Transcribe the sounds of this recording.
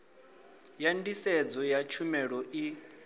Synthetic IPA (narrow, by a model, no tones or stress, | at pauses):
jandisɛd͡zɔjat͡ʃʰumɛɺɔʔi